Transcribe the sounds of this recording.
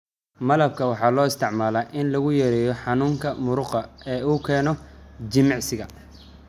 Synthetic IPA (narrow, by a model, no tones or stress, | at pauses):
mɐlɐb̚kʰɐwɑħɑːlɔːɪst̪ʰɪʕmaːlaːʔɪnlɐɣʊjɐɾɛːjɔħɑnuːŋkʰɐmʊɾʊqɐɛːuːkʰɛːnɔd͡ʒɪmɪʕsɪɣɐ